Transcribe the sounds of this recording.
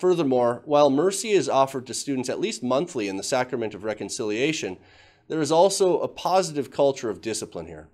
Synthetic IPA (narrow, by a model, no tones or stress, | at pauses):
fɜ˞ðə˞mɔɹwaɪlˠmɜ˞siɪzɔfə˞d̚tʰɨstʉdⁿn̩tsɨ̰ʔˡlist̚mʌ̃nθliɨ̃nðəsækɹəmɨ̃ntʌvɹɛkɨ̃n̩sɪlˠieɪʃɨ̃n | ðə˞ɨzɔlˠsoʊʔəpʰɑzɨɾɨv̥kʰʌlˠt͡ʃə˞ʌvdɪsəplə̰̃nhḭɹ